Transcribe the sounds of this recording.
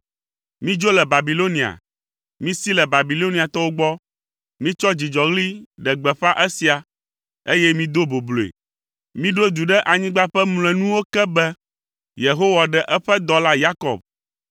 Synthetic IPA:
mĩ˦d͡ʒo˦lɛ˨ba˨bi˨lo˦nĩ˨a̰˨ | mĩ˦si˦lɛ˨ba˨bi˨lo˦nĩ˨a˨t̪ɔ˦wo˦ɡ͡bɔ˦ | mĩ˦t͡ʃɔ˦d͡ʑi˨d͡ʒɔ˨ɣli˦ɖɛ˨ɡ͡bɛ˨ɸa˦ʔɛ˦si˨a˨ | e˦jɛ˦mĩ˦d̪o˦bo˨blo˨ḛ˨ | mĩ˦ɖo˦d̪u˨ɖɛ˦ʔa˨ɲĩ˦ɡ͡ba˦ɸɛ˦ml̃ɛ̃˨nũ˦wo˦kɛ˦bɛ˦ | je˨ɦo˦wa˨ɖɛ˦ʔɛ˦ɸɛ˦d̪ɔ˦la˦ja˦kɔ̰˨b̚

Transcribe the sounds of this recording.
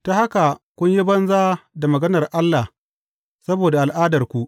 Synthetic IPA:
ta˦ha˦ka˨kʷʊ˦ɲji˦bɐ˦nzaː˦da˨mɐ˨ɡɐ˦nɐ˨rʔa˦lːa˨h | sɐ˦boː˨da˨ʔa˨lʔaː˦dɐ˨rkʷu˦ʔ

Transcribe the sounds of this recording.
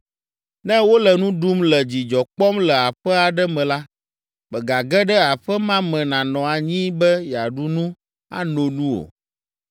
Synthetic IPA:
nɛ̃˦wo˦lɛ˨nũ˦ɖu˦mlɛ˨d͡ʑi˨d͡ʒɔ˨k͡pɔ˦mlɛ˨a˨ɸɛ˦a˨ɖɛ˦mɛ̃˨la˦ | bɛ˨ɡa˨ɡɛ˦ɖɛ˦a˨ɸɛ˦mã˦mɛ̃˨nã˨nɔ̃˨a˨ɲĩ˦bɛ˦ja˨ɖu˦nũ˦ | a̰˦no˨nũ˦o̰˨

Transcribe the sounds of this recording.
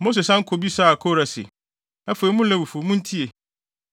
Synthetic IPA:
mo˦s̬e˨sã˦ŋ̩˦kʰo˨bi˦sa˦˨a˨kʰo˦˨ɾa˨sɪ̰˨ | ɛ˦fo˨ɛ˨˦mʊ̃˦lɛ̃˦wu˨fo˨mũ˦n̩˦tʰi˦e˨

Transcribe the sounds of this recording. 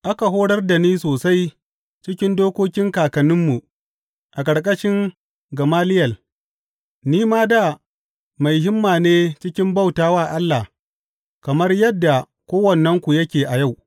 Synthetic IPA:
ʔa˦ka˨ɦoː˦ɽɐ˦rda˨niː˦soː˨sa˦j | t͡ʃɪ˦kʲɪ˦ndoː˦kʷoː˦kʲɪ˦ŋkaː˨kɐ˨nɪ˦mːu˨ | ʔa˨k̬ʼɐ˨ɽkʼɐ˦ʃɪ˦ŋ | ɡɐ˨maː˦lɪ˦jɐ˨l | niː˦maː˦da˨ | ma˨jɦɪ˦mːaː˨neː˦t͡ʃɪ˦kʲɪ˦mba˦˨wtaː˨waː˦˨ʔa˦lːa˨h | kɐ˨mɐ˦rjɐ˦dːa˨ | kʷoː˦wɐ˨nːɐ˦ŋkʷu˨jɐ˦kʲeː˨ʔa˨ja˦˨w

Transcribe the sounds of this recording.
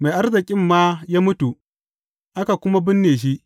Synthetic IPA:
ma˨ʔa˦rzɪ˨kʲʼɪ˦mːaː˦jaː˦mʊ˦tu˨ | ʔa˦ka˨kʷʊ˦ma˦bɪ˦nːeː˨ʃ̬i˦ʔ

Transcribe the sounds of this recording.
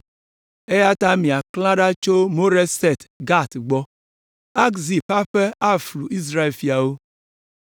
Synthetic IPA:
e˦ja˦ta˦mi˨a˨klã˦ɖa˦t͡ʃo˦mo˦ɾe˦se˦˨tɡa˦˨tɡ͡bɔ˦ | a˦kzi˨ɸa˦ɸe˦a˦˨fɾu˨i˦z̬ɾa˦e˨lfi˨a˨wo˦

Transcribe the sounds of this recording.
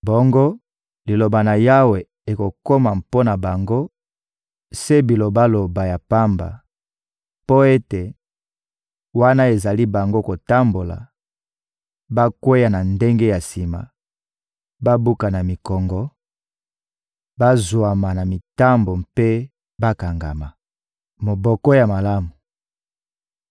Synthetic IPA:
bo˦ŋɡo˦ | li˨lo˨ba˨na˨ja˦we˨ | e˨ko˨ko˦ma˨mpo˦na˨ba˨ŋɡo˦ | se˦bi˨lo˨ba˦lo˨ba˨ja˨pa˦mba̰˨ | po˦e˦te˨ | wa˦na˦e˨za˨li˦ba˨ŋɡo˦ko˨ta˦mbo˨la̰˨ | ba˦kwe˦ja˨na˨nde˦ŋɡe˦ja˨si˨ma̰˨ | ba˦bu˦ka˨na˨mi˨kɔ˨ŋɡɔ˨˦ | ba˦zwa˨ma˨na˨mi˨ta˦mbo˨mpe˦ | ba˦ka˨ŋɡa̰˨ma˨ | mo˨bɔ˨kɔ˦ja˨ma˨la˦mu˨

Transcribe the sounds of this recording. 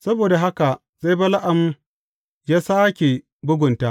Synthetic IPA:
sɐ˦boː˨da˨ɦa˦ka˨ | za˦jba˦la˦ʔa˨m˦ | jaː˦saː˦kʲe˨ | bʊ˦ɡʷʊ˨nta˦ʔ

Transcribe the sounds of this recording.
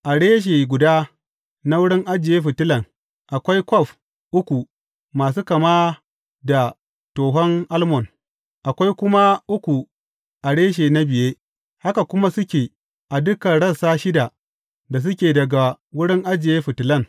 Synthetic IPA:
ʔa˨ɽeː˦ʃ̬e˨ɡʷʊ˨daː˦ | na˦wʊ˦ɽɪ˦ŋʔa˦d͡ʒɪ˨jeː˦ɸɪ˨tɪ˦lɐ˨ŋ | ʔa˨kʷa˦jkʷɔ˦˨ɸ | ʔʊ˦kʷu˨ | maː˨s̬u˦kɐ˨ma˦ | da˨ | toː˨ɦɔ˦ŋʔa˦lmɔ˨n | ʔa˨kʷa˦jkʷʊ˦ma˦ʔʊ˦kʷu˨ | ʔa˨ɽeː˦ʃ̬eː˨na˦bɪ˨jeː˦ | ha˦ka˨kʷʊ˦ma˦sʊ˦kʲeː˨ | ʔa˨dʊ˦kɐ˨ɽɐ˦˨saː˦ʃɪ˦da˨ | da˨s̬ʊ˦kʲeː˨dɐ˨ɡa˨ | wʊ˦ɽɪ˦ŋʔa˦d͡ʒɪ˨jeː˦ɸɪ˨tɪ˨lɐ˦˨n

